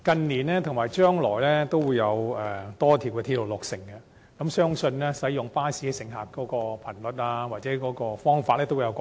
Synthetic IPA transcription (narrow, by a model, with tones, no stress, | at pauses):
kɐ˧nliː˨˩nlɛː˥t̪ʰʊ˨˩ŋmaː˨˩jt͡ʃœː˥ŋlɔː˨˩jlɛː˥t̪o˥wuː˨˧jɐ˨˧wɛ˨˩t̪ɔː˥t̪ʰiː˨˩wkɛː˧t̪ʰiː˧lo˨wlʊ˨k̚sɪ˨˩ŋkɐ˧ | kɐ˨˥msœː˥ŋsɵ˧nlɛ˥sɐ˨˥jʊ˨ŋpaː˥siː˨˥˧sɪ˨˩ŋɦaː˨˩kkɔː˨˥kɔː˧pʰɐ˨˩nlɵ˨t̚aː˧waː˨t̚t͡sɛː˨˧˥kɔː˨˧˥kɔː˧fɔː˥ŋfaː˧t̚lɛː˥t̪o˥wu˨˧jɐ˧kː